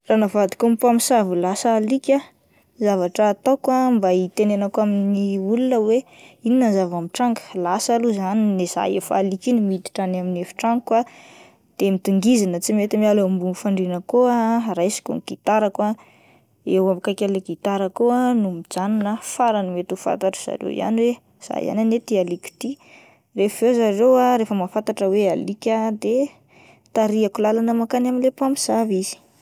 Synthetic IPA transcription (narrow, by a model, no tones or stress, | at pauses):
ranavad̪i̥kompamisavulasaːlikʲa | zavaʈ͡ʂəːt̪akwambait̪enenakoaminiulunəwe | ininazavamiʈ͡ʂaŋɡə̥lasaluzanineza̰efaːlikʲinimit̪i̥ʈ͡ʂanaminefi̥ʈ͡ʂaŋkwa | d̪̥emit̪uŋɡizanət͡simet̪imialeambufaɳɖ͡ʐinəkoarajsi̥kṵnɡ̥it̪aɾakwa | ewamkakʲaleɡit̪aɾəkoanumid͡zaninəfaɾanimet̪ufa̰t̪aʈ͡ʂz̥a̰ɾḛwḭa̰niwe | z̥a̰ja̰nanet̪ialiki̥t̪i | refvewzarewaɾefəmafat̪aʈ͡ʂəwealikʲad̪e | t̪aɾiakulalanəmakanaminlepamiz̥avizi̥